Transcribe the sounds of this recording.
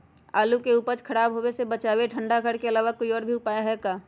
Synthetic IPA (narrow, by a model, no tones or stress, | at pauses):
aːlukeuːpəɾt͡ʃkʰəɾaːbɦoːwesebət͡ʃaːweʈʰə̃ɳɖaɡʱəɽkeɐlaːʋakoːiɔːɾbʱiʊpaːjaɦɛkaː